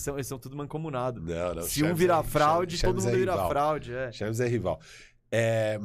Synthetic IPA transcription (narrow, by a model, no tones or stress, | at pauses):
sɐ̃w̃elɪsɐ̃w̃t̪ud̪ʊmɐ̃kõmunad̪ʊnɐ̰̃w̃nɐ̰̃w̃sʃɪ̃ũviɾafɾawd͡ʒɪodʊmũɛd̪ʊviɾa̰ffɾawd͡ʒɪɛʃɐ̃mizɛɦiva̰w | ɛm